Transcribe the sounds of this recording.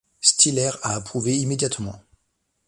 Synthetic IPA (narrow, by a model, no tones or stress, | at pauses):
st̪ilɛʁaːpχuveimed̪jat̪mɑ̰̃